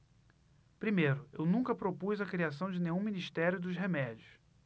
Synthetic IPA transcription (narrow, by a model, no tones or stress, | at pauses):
pɾimejɾʊewnũkɐpɾopuzɐkɾias̬ɐ̃w̃d͡ʒɪnẽj̃ɲũminiʃt̪ɛɾjʊd̪ʊzɦemɛd͡ʒiʊs